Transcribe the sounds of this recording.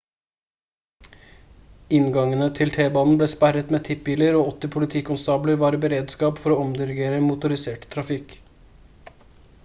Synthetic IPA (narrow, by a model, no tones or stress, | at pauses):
ɪnɡɑŋənət̪ʰɪlt̪ʰeːbɑːnn̩bleːspæɾət̪meːt̪ʰɪpbiːləɾoːɔt̪ːɪpʰʊlɪt̪ʰiːkʊnsɑːbləɾʋɑːɾəbəɾeːd̪skɑːpfɔɾoːɔmd̪ɪɾɪɡeːɾəmʊt̪ʊɾɪseːʈt̪ʰɾɑfɪk